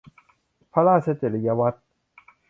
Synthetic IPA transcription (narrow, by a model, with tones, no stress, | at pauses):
pʰa˧laː˥˩sʰa˦˥t͡ɕe˨˩li˨ja˧wa˦˥t̪̚